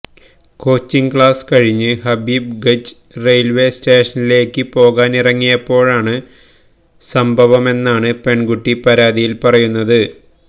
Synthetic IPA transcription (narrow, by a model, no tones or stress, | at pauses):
ko̞ːt͡ɕːiŋkɭaːskɐɻiɲːɨɦɐbiːb̚ɡɐd͡ʑ | rejlʋe̞steːʂɐnile̞ːkːɨpo̞ːɣaːnirɐŋːijɐpːo̞ːɻaːɳɨ | sɐmbʱɐʋɐme̞nːaːɳɨpe̞ɳɡuʈːipɐɾaːd̪ijilpɐrɐjunːɐðɨ